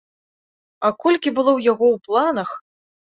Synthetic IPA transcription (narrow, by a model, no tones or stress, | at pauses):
ɐkɔlʲkʲibɨlˠɔwjaɣɔwplˠanɐx